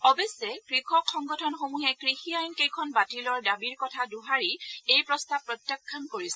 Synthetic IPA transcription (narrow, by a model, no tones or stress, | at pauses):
ɔbesːɛkɹixɔkʰːɔŋɡɔtʰɔnxomuɦɛkɹixiajnkejkʰɔnbatilɔɹdabiɹkɔtʰaduɦaɹiejpɹɔstapːɹɔtjɛkʰːankoɹisɛ